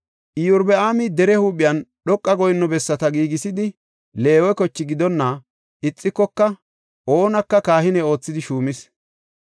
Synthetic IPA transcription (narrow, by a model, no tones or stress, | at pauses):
ʔɪjʊɾbɛaːmɪd̪ɛɾɛhuːpːɪjɐnɗɔkʼːɐɡɔjɪnːɔbɛsːɐt̪ɐɡiːɡɪsɪd̪ɪ | le̞ːwɛkɔt͡ʃːɪɡɪd̪ɔnːɐ | ɪt͡sʼːɪkːɔkːɐ | ʔo̞ːnɐkːɐkaːhɪnɛo̞ːt͡sːɪd̪ɪʃuːmɪs